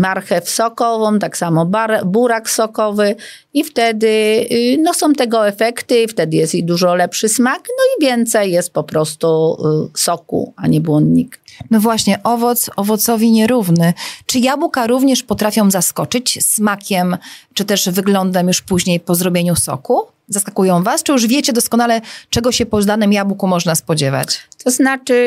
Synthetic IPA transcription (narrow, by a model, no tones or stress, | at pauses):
maɾxɛfsɔkɔvɔ̃mt̪aksamɔbaɾbuɾaksɔkɔvɘ | ift̪ɛd̪ɘnɔsɔ̃w̃t̪ɛɡɔɛfɛkt̪ɘft̪ɛd̪ɘjɛst̪id̪uʐɔlɛpʂɘsmaknɔivʲjɛnt̪sɛjːɛst̪̚pɔpɾɔst̪usɔkṵa̰ɲɛbwɔnd̪ɲiknɔvwaɕɲɛʔɔvɔt̪sɔvɔt̪sɔvʲiɲɛɾuvnɘt͡ʂɘjabukaɾuvɲɛʂpɔt̪ɾafʲjɔ̃w̃zaskɔt͡ʂɘt͡ɕsːmakʲɛmt͡ʂɨt̪ɛʐvɘɡlɔnd̪amjuʂpuʑɲejpɔzɾɔbʲjeɲusɔ̰ku | zaskakujɔ̃w̃vast͡ʂɘjuʐvʲjɛt͡ɕɛd̪ɔskɔnalɛt͡ʂɛɡɔɕɛpɔd̪anɨmjabukumɔʐnaspɔd͡ʑɛva̰t͡ɕt̪ɔznat͡ʂɘ